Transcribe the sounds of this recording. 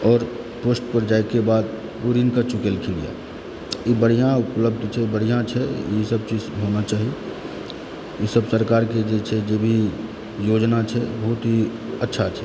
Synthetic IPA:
ɔːɾ | poːsʈpəɾd͡ʒaːekebaːd̪̚ | puɾinkat͡ʃukelkʰelḭja̰ | ibəɽ̤ijãʊpləb̚d̪ʱt͡ʃʰɛbəɽ̤ijãt͡ʃʰɛjesəb̚t͡ʃiːd͡ʒɦonat͡ʃaːɦie | jesəbsəɾkaːɾked͡ʒet͡ʃʰɛd͡ʒeːbʱi | joːd͡ʒnat͡ʃʰɛbɔɦʊt̪ɦi | ətːʃʰat͡ʃʰɛ

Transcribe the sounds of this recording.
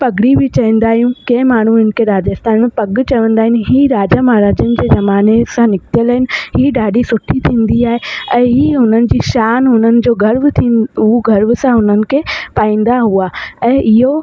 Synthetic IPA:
pɐɡɽibʱɪt͡ɕɐʋĩːn̆d̪aːɦijũkẽːmaːɳ̤ũɪnkʰeɾaːd͡ʑəst̪ʰaːnmẽpɐɡt͡ɕɐʋə̃nd̪aːɦɪnɪ̆ɦiːɾaːd͡ʑamaːɦɾaːd͡ʑənɪ̆d͡ʑeːzɐmaːnesãnɪkt̪jələɦɪnɪ̆ɦiːɖaːɖʱisʊʈʰit̪ʰĩːn̆d̪iaːɦeɛ̃ːɦiːɦʊn̤ənɪ̆d͡ʑiːʃaːnɦʊn̤ənɪ̆d͡ʑoːɡʱɐɾʋt̪ʰĩːʊɡʱɐɾʋsãɦʊnənɪ̆kʰepaːĩːn̆d̪aɦuaɛ̃ːʔɪɦo

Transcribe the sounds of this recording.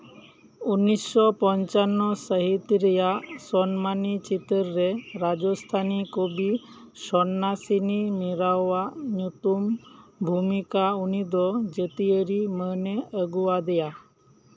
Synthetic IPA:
unːisːɔpɔɲt͡ʃanːɔsəɦit̪ɾəjasɔnmanit͡ʃit̪əɾːeɾad͡ʒɔst̪ʰanikobi | sɔnːasinimiɾaʋaɲut̪umbʱumikaunid̪ɔd͡ʒət̪iəɾiməneəɡuʋad̪eja

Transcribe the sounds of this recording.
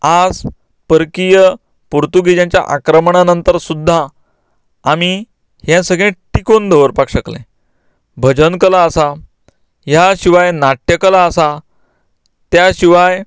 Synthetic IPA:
ad͡z | pəɾkijə | puɾt̪uɡid͡ʑãɲt͡ɕja̰ʔakɾəmɳanənt̪əɾsud̪ʱːaː | mi | ɦjẽsəɡɭẽʈikond̪ʱəʋəɾpakɕəklḛ̃ | bʱəd͡ʑənkəlaːsa | ɦjaɕiʋajnaʈʰjəkəlaəsa | t̪jaɕiʋaj

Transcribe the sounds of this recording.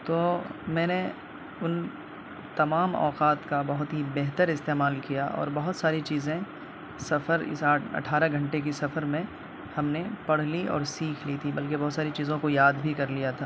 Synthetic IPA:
t̪oːmɛ̃ːne | ʊn | t̪ɐmaːmɔ̰ːqaːt̪kabɐɦʊt̪ɦibeɦt̪əɾɪst̪eːmaːlkijaʔɔ̰ːɾbɐɦʊt̪saːɾit͡ʃiːzẽ | sɐfəɾɪ̰saːʈɐ̰ʈʰaːɾaɡʱɐ̃ɳʈek̬isɐfəɾmẽ | hɐmnepɐɽ̤liɔ̰ːɾsiːkʰlit̪ʰibɐlkebɔɦːt̪saːɾit͡ʃiːzõkojaːd̪bʱikɐɾlijat̪ʰaː

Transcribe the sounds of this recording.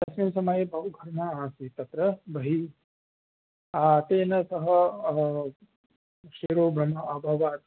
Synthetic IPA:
d̪̥ɐsminsɐmɐjebʱɐɦuɡʱɐɾmaaːsit̪ɐt̪ɾɐbʱɐɦi | at̪eːnɐsɐɦɐ | ʃiɾoːbʱɾɐmɐʔɐbʱɐʋaːt̪

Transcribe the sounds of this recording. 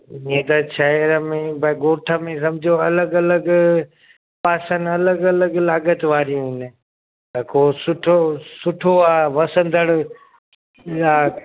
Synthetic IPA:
ĩɦẽt̪ɐʃɐɪɾəmẽbɐɡoːʈʰəmẽs̬ɐ̃mɪd͡ʑʱijoɐləɡɐləɡ | paːsənɐləɡɐləɡlaːɡət̪ʋaːɾijũɦɪnɪ̆ | t̪ɐkʰosʊʈʰosʊʈʰoaːʋɐsə̃nd̪ʱəɽ | jaː

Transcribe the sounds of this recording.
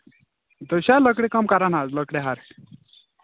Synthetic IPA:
d̪əɕaləkɽekəmkaɾanad͡zləkɽeɦaɾ

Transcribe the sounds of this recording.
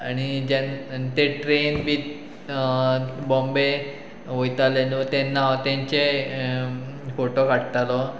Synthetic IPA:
añid͡ʑent̪eʈɾenbit̪ | bɔmbe | ʋojt̪alenut̪ɛnːat̪ãɲt͡ɕe | foʈokaʈt̪alɔ

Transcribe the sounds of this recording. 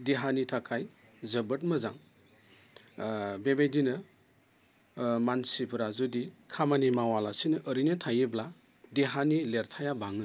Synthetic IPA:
deɦanitʰakʰaj | zɐbɯt̚mɯzaŋ | bebejdinɯ | mansipʰɯɾazudikʰamanimawalasinɯʔəɾinɯtʰajɯbla | deɦanileɾtʰajabaŋɯ

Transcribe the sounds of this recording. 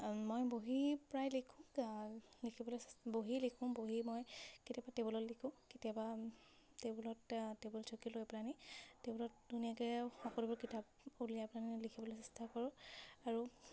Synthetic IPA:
mojboɦipɹajlikʰʊ̃ | likʰibɔlosboɦilikʰʊ̃boɦimɔjkitiabatebulɔtlikʰʊ̃kitiaba | tebulɔttebɔlɔsʰokilojplanitebɔlɔt̚dunijakɛxɔkɔlubɔɹkitʰap̚ | ulijaplanilikʰibɔlosɛstakɔɹʊ̃aɹu

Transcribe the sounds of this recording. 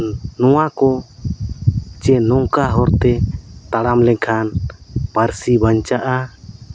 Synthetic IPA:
nɔwakɔ | t͡ʃɛnɔŋkaɦɔɾt̪ɛt̪aɽamlɛkʰanpaɾsibaɲt͡ʃaʔa

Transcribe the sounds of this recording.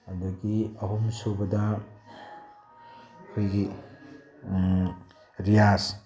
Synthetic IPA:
adɐɡiɐɦumsobɐdɐ | kʰojɡi | ɾijas

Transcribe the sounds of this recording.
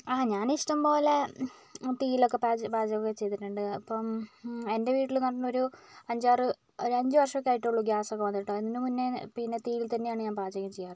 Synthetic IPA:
aːɲaːniʂʈɐmpo̞ːle | t̪iːilo̞kːe̞paːd͡ʑbaːd͡ʑɐɣokːet͡ɕe̞jt̪iʈːuɳɖɨɐpːɐme̞nde̞ʋiːʈːilnɐʈːɐnːo̞ɾuɐɲd͡ʑaːrɨ | oɾɐɲd͡ʑɨʋɐrʂɐokːeaːjiʈːuɭːuɡjaːsokːeʋɐnd̪iʈːɐeinːɨmunːe̞pinːe̞t̪iːilt̪ɐnːe̞jaːɳɨɲaːnbʱaːd͡ʑɐɣɐmt͡ɕejːaːr

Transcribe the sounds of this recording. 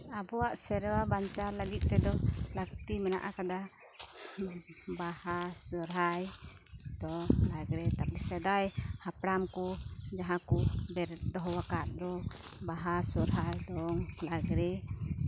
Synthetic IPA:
abɔwaʔsɛɾwabaɲt͡ʃaɾlaɡit̪̚ˀt̪ɛd̪ɔlak̚t̪imɛna̰ʔakad̪a | bahasɔɾɦaj | d̪̥ɔŋlaɡɾɛt̪apɛsɛd̪ajhapɾamkud͡ʒaɦãkuʔbɛɾd̪ɔɦɔwakaʔd̪ɔbaɦasɔɾɦajd̪ɔŋlaɡɾɛ

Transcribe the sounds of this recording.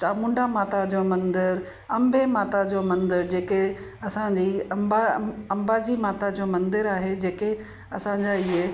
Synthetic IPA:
t͡ɕaːmʊ̃ɳɖamaːt̪ad͡ʑomɐ̃nd̪əɾ | ɐ̃mbʱemaːt̪ad͡ʑomɐ̃nd̪əɾd͡ʑeːke | ɐsãɲd͡ʑiːɐmbaɐ̃mbad͡ʑiːmaːt̪ad͡ʑoːmɐ̃nd̪əɾaːɦed͡ʑeːke | ɐsãɲd͡ʑaiɦe

